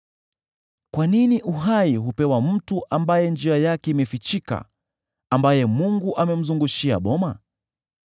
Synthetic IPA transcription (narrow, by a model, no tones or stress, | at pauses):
kwaniniʔuɦaiɦupɛwam̩tuʔambajɛnd͡ʒiajakɛimɛfit͡ʃika̰ | ambajɛmuŋɡuʔamɛm̩zuŋɡuʃia̰ɓɔma